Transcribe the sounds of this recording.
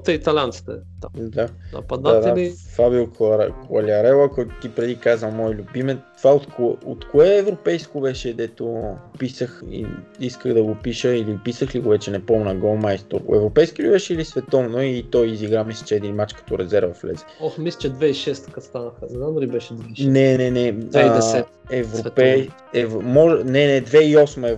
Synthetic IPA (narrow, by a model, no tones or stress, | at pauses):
t̪ɛit̪ɐlʲant̪si̥t̪ɛt̪ad̪aɐ̰pɐd̪naad̪aifabiulkkʊɐlʲɐɾɛlˠɐkɔjt̪ʊ̥t̪ipɾɛd̪ikazvəmɔɛlʲubimɛt̪ovaot̪koo̰t̪koɛːvɾopɛjskovɛʃɛd̪ɛt̪opisəxḭiskəɣd̪ɐɡopiʃəilipisəxliɡovɛt͡ʃɛnɛpoɔmnəɡolˠmajst̪o̰ɾ̰ɛ̰vɾopɛjskilʲibɛʃɛilisvɛt̪ɔmnoit̪ɔjiziɡɾamislʲə̥t͡ʃɛːd̪inmat͡ʃkɐ̥t̪ɔɾɛzɛɾvəflɛ̰zɛɔxmislʲi̥t͡ʃɛd̪vɛiʃɛst̪kəst̪anəxənɛznamd̪ɐlʲibɛʃɛd̪viʃnɛnɛnɛvɛd̪ɛɛt̪ | ɛvɾopɛ | ɛvmɔʒnɛnɛd̪vɛiɔsmɛ